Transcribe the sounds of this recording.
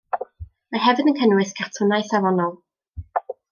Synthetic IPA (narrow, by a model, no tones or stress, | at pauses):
maɦɛvɨnənkʰənwɨθkʰar̥tʰʊnajθavɔnɔlˠ